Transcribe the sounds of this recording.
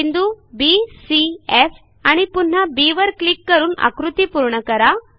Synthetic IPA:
ind̪ubisief | aɽ̃ipun̤ːabiʋəɾklikːəɾuːna̰kɾut̪iːpuɾɳəkəɾa

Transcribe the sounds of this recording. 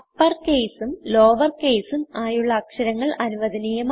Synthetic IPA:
pːɐrkeːsumloːʋɐrke̞ːsumaːjuɭːɐːkʂɐɾɐŋːɐɭʔɐnuʋɐðɐniːjɐm

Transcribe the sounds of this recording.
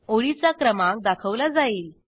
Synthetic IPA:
oɭit͡sakɾəmãk̚d̪akʰəʋlad͡zaiːl

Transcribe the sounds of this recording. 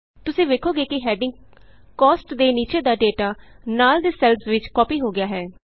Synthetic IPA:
t̪ʊsẽːʋeːkʰoːɡeːkɪɦɛːɖɪ̃ŋɡ | kɔːsʈd̪eːniːt͡ʃeːd̪aːɖeːʈaː | naːld̪eːsɛlsʋɪt͡ʃkɔːpiːɦoːɡɪjaːɦɛː

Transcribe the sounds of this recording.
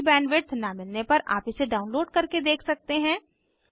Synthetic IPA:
bɛ̃ːnʋɪʈsnamɪlnepɐɾʔa̰ːpɪseɖaːʊ̃nloːɖkɐɾked̪eːkʰsɐk̚t̪eɦɛ̃ː

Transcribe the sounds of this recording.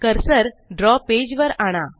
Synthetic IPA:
kəɾsəɾɖɾɔped͡ʑʋəɾaɽ̃a

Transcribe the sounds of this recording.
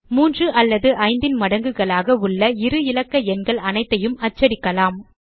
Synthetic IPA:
muːndrɯʔɐlːɐðɯʔɐɪnd̪ɪnmɐɽɐŋɡɯɣɐɭaːɣɐʊɭːɐɪɾɯɪlɐkːɐɛnɡɐɭɐnɐɪt̪ːɐjɯmɐt͡ʃːɐɾɪkːɐlaːm

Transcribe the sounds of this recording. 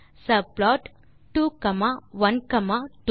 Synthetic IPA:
sɐplɔːʈ | ʈːuːkɐmaʋɐnkɐmaʈu

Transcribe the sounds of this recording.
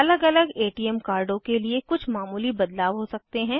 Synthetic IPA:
ɐləɡɐləɡeːʈiːɛmkaːɾɖõkeliekʊt͡ʃʰmaːmuːlibɐd̪laːʋɦosɐk̚t̪eɦɛ̃ː

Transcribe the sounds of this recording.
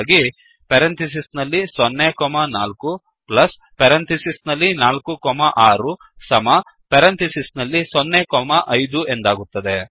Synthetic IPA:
ɡi | pɛɾɐnt̪is̬isnɐlːisɔnːekɔmɐnaːlku | plɐs | pɛɾɐnt̪isisnɐlːinaːlkukɔmɐʔaːɾu | sɐmɐ | peɾɐnt̪isisnɐlːisɔnːekɔmɐʔɐjd̪ue̞nd̪aːɡut̪ːɐd̪e

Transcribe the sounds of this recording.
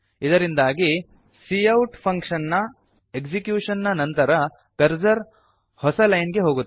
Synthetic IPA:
id̪ɐɾind̪aːɡi | sijɐwʈpʰɐŋkʂɐnːɐ | eksikjuːʂɐnːɐnɐnt̪ɐɾɐ | kɐɾd͡ʒɐɾ | hɔsɐlɐjnɡe̞ɦo̞ːɡut̪ː

